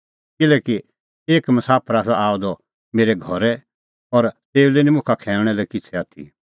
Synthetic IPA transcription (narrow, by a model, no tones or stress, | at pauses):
kɪlɛːki | eːkmɐsaːpʰəɾasaʔaːod̪ɔ | meːɾeɡʱɔɾɛ | ɔɾt̪eːulenĩmʊ̃kʰakʰɛːlɽ̃ɛlɛkɪt͡sʰɛaːt̪ʰḭ